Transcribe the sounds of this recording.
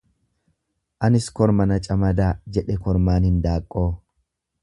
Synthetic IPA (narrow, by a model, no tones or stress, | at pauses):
ʔɐnɪskɔɾmɐnɐt͡ʃʼɐmɐd̪aːd͡ʒɛᶑɛkɔɾmaːnhɪnd̪aːkʼːo̞ː